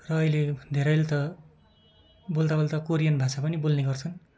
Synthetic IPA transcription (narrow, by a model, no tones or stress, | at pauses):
rʌːiled̪ʱeɾʌjlt̪ʌ | bolt̪abolt̪ʌkoɾijʌnbʱasapʌnibolneɡʌrt͡sʰʌn